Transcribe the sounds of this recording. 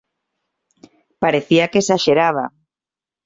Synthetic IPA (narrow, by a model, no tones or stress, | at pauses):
paɾeθiakesaʃeɾaβ̞a